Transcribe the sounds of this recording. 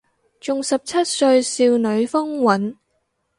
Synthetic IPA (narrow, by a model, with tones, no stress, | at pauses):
t͡ʃʊ˨ŋsɐ˨p̚t͡sʰɐ˥t̚sɵ˧ɥsiː˧wnɵ˨˧ɥfɔ˥ŋwɐ˨˥n